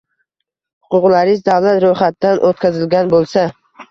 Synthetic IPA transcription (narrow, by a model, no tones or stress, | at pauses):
hʊ̥qʰʊqlaɾɪzd̪awlat̪ɾojχat̪̚d̪ːanʔot̪̚kʲazɪlɡʲanbolˠsa